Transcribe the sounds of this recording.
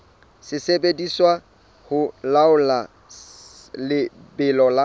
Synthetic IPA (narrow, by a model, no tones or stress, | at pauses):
sɪsebediswa | hʊlaʊla | lɪbɪlɔla